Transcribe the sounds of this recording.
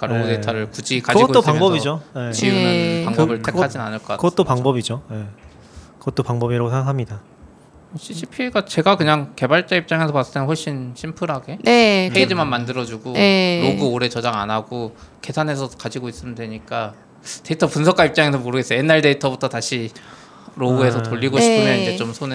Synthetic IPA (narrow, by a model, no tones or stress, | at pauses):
k͈aɾoɡɯde̞itʰʌɾɯɭkud͡ʑikaiɡooaŋbʌbid͡ʑojet͡ɕiɯpaŋbʌbɯɭtʰekad͡ʑinna̰nɯɭkʌkakɯɯt͈opaŋŋbʌbid͡ʑoje | kɯɡʌt͈opaŋbʌbiɾaɡosʰeŋɡakʰamɲida | ɕʰiɕʰipʰiɡat͡ɕe̞ɡakɯɲaŋke̞baɭt͡ɕ͈aip̚t͡ɕ͈aŋe̞sʰʌpas͈ɯ̥t͈ʰenɸoɭɕ͈inɕʰimpʰuɾɦaɡe̞nepeid͡ʑɯmanmandɯɾʌd͡ʑuɡoɾoɡɯoɾe̞t͡ɕʌd͡ʑaŋanaɡoke̞sʰanɦe̞sʰʌkad͡ʑiɡois͈ɯmɯndwe̞ɲik͈a | te̞itʰʌpunsʰʌk͈aip̚t͡ɕ͈aŋes̬ʰʌmoɾɯɡes͈ʌjoje̞nːaɭde̞itʰʌbutʰʌtaɕʰi | ɾoɡue̞sʰʌtoʎːiɡoɕʰipʰɯmjʌnind͡ʑet͡ɕomsʰon